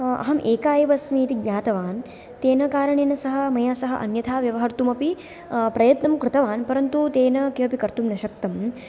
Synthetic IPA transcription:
ɐ̰ɦɐmʔeːkaːjɐʋɐsmiːt̪iɡɲʲaːt̪ɐʋaːn | t̪eːnɐkaːɾɐɳeːnɐsɐɦɐ̆mɐjaːsɐɦɐ̰ʔɐ̰njɐt̪ʰaːʋjɐʋɐɦɐɾt̪umɐpi | pɾɐjɐt̪nɐmkɾɪt̪ɐʋaːnpɐɾɐnt̪ut̪eːnɐkiɐpikɐɾt̪umnɐʃɐkt̪ɐm

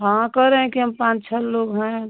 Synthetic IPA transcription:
ɦãkəɾeɦɛ̃kiɦəmpãt͡ʃt͡ʃʰəlloːɡɦɛ̃

